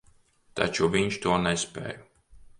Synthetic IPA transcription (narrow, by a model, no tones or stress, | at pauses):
t̪a̰t͡ʃuvʲiɲt͡ʃt̪uɔnɛspʲḛːju